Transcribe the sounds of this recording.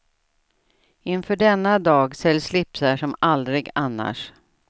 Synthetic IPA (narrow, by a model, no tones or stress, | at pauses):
ɪnfœːɖɛnːad̪ɑːɡsɛlːslɪpsaʂɔmald̪ɾɪɡanːa̰ʂ